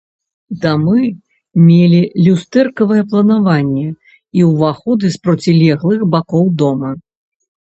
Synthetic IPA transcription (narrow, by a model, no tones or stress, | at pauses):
d̪amɨ | mʲelʲilʲust̪ɛrkɐvɨjɛplˠɐnavanʲːɛ | iwvaxɔd̪ɨspɾɔt͡sʲilʲɛɣlˠɨxbakɔwd̪ɔmɐ